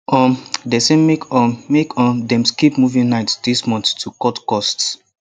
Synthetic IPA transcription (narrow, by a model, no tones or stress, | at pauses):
ɔ̃mdɛsẽmːekɔ̃mmekɔ̃ndɛ̃mskipmuvĩnaɪtd̥ismɔ̃nθtukɔtkɔst